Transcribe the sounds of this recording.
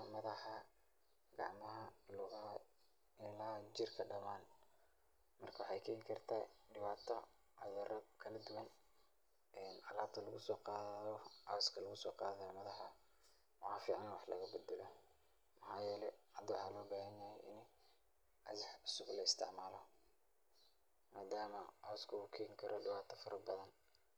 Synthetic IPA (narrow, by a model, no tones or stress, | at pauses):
mɐðɑħɑ | ɡ̥ɑ̰ʕmɐɦɐlʊɣ | ɪlaːd͡ʒɪrkʰɐɖɐmaːn | mɐrkʰɐwɑħɑjkʰɛːjkʰɐrt̪ʰaːɖɪβaːt̪ʰɔ | ʕʊðɐrɐkʰɐlɐd̪ʊwɑn | ɛːnɑlaːt̪ʰɐlɐɣʊsɔːqɑːɔʔɑwskʰɐlɐɣʊsɔːqɑːðɐjɔmɐðɐħɑ | wɑħɑːfiːʕɑnwɑħlɐ̰ɣɐbɐd̪ɛlɔ | mɐħaːjɛːlɛʕɑd̪wɑħɑːlɔːbaːɦɐnjɐhɛjʔɪn | ɐħʊsʊɡlɐɪst̪ʰɪ̰ʕmaːlɔ | maːd̪aːmɐʔɑwskʰʊʊkʰɛːŋkʰɐɾʔɔɖɪwaːt̪ʰɐfɐɾʔɐbɐðɐn